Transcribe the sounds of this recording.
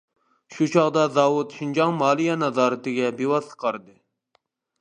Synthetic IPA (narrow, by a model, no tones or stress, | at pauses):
ʃut͡ʃʰɑʁd̪ɑzɑːwut̪ʃind͡ʒɑŋmɑːlˠijɑnɑzɑːɾɨt̪ɪɡʲɛbewɑsə̥qʰɑɾɨd̪ɨ